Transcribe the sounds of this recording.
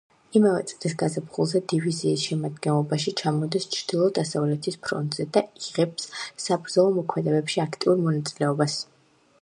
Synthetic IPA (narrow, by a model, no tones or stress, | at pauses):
imavɛ̰t̪sʼɾis̬ɡazapχulˠzɛd̪iviziːsʃɛmad̪ɡɛnlˠɔbaʃit͡ʃʰamɔd̪ist͡ʃʰɾd̪̥ilˠɔd̪asavlɛt̪ʰispʰɾɔ̰nt̪ʼz̥ɛd̪aiʁɛbsːabɾd̪zɔlˠɔmɔkʰmɛd̪ɛbɛpʃiakʰt̪ʼiuɾmɔnat̪sʼilɛɔbas